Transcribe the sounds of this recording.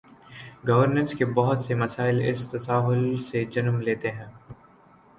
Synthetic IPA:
ɡɐʋəɾnə̃nskebɐɦʊt̪semɐsaːɪlɪ̰st̪ɐsaːɦʊlsed͡ʒɐnmleːt̪eɦɛ̃ː

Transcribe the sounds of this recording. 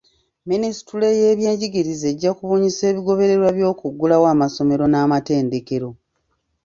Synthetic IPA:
minisi̥tule̞jeːβje̞ːɲɟiɡiɾizeɟːakuβuːɲise̞ːβiɡo̞βe̞ɾe̞ɾwaβjo̞ːkuɡːulawaːmaso̞me̞ɾo̞naːmate̞ːndeke̞ɾo̞

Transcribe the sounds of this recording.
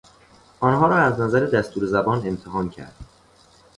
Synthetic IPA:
ʔɒːnɦɒːɾɒːæznæzæɾed̪æst̪ʰuːɾezæbɒːne̞mt̪ʰeɦɒːncʰæ̰ɾd̪̥

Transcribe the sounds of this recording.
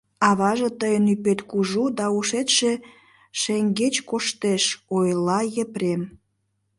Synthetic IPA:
ɑβɑʒĕt̪əjənypet̪kuʒud̪ɑuʃet̪ʃe | ʃeŋɡet͡ɕkoʃt̪eʃojlɑjeprem

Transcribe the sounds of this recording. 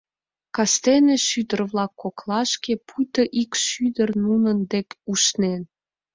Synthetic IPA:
kɑst̪eneʃyd̪ərβlɑkːoklɑʃkepujt̪əʔikʃyd̪ərnunənd̪ekʲuʃnen

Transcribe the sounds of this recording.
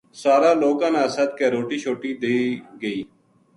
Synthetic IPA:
saːɾaːloːkãːnãːsəd̪̚keːɾoːʈiːt͡ʃʰoːʈiːd̪eiːɡəiː

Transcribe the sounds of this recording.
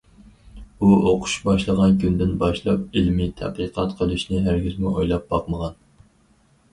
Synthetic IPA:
uʔoqʰʊ̥ʃbɑʃlˠəʁɑnkʰʲynd̪ɪnbɑʃlˠɑp̚ilmit̪ʰæ̰qəqʰɑt̪qʰəlˠuʃnɪɦæɾɡʲyzmuʔojlˠɑp̚b̥ɑqməʁɑn

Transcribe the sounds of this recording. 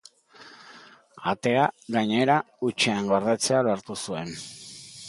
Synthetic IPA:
at̪e̞aɣaɲe̞ɾa | ut͡ʃeaŋɡoɾðet͡se̞aloaɾt̪usue̞n

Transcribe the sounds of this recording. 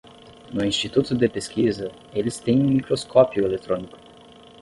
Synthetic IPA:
nʊĩst͡ʃit̪ut̪ʊd̪epeskʲizɐ | elɪst̪ẽj̃ũmikɾoskʰɔpiʊelet̪ɾõnikʊ̥

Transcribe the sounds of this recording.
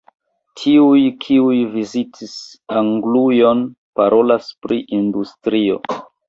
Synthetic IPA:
tʰiujkʰiujvizitʰis | aŋɡlujo̞n | paɾʔo̞laspɾiʔindustɾio̞̰

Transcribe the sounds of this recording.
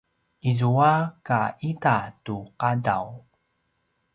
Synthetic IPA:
ʔizuakaʔitatuqada̰w

